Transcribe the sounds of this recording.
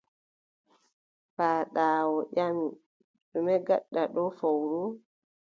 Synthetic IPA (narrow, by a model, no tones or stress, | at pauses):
faːɗaːwɔʔam | ɗumɛɡa̰ɗːaɗɔfowɾu